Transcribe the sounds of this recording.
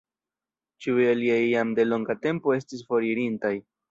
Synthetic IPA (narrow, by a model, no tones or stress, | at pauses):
t͡ʃiujaliajamde̞lo̞ŋɡate̞mpo̞e̞stis̬fo̞ɾiɾintaj